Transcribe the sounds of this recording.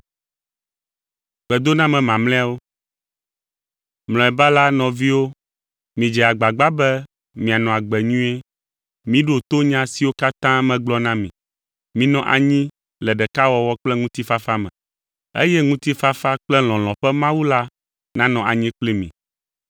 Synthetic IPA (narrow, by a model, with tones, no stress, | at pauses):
ɡ͡b̥ɛ˨d̪o˦nã˦mɛ̃˨mã˨mlɛ̃˦a˦˨wo˦ | mlɔ̃˨ɛ˨ba˦la˦nɔ̃˨vi˦wo˦ | mĩ˨d͡ʒɛ˨a˨ɡ͡ba˨ɡ͡ba˦bɛ˦ | mĩ˨a˨nɔ̃˨a˨ɡ͡bɛ˨ɲũ˦e˦ | mĩ˦ɖo˨t̪o˦ɲã˦si˨wo˦ka˦t̪ã˦mɛ̃˨ɡ͡blɔ˦nã˦mĩ˨ | mĩ˨nɔ̃˦ʔa̰˨ɲĩ˦ | lɛ˨ɖɛ˨ka˦wɔ˦wɔ˦k͡plɛ˦ŋũ˦t̪i˦fa˦fa˦mɛ̰̃˨ | ḛ˦jɛ˦ŋũ˦t̪i˦fa˦fa˦k͡plɛ˦l̃ɔ̃˨l̃ɔ̃˨ɸɛ˦mã˦wu˦la˦ | nã˦nɔ̃˨ʔa˨ɲĩ˦k͡pli˦mḭ̃˨